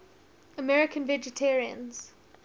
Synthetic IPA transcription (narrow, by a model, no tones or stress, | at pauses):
əmɛɹɪkʰə̃nvɛd͡ʒɛtʰɛɹiə̰̃nz̥